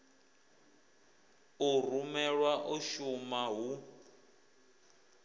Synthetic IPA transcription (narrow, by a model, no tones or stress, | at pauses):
urumɛɺwaʔuʃumaɦu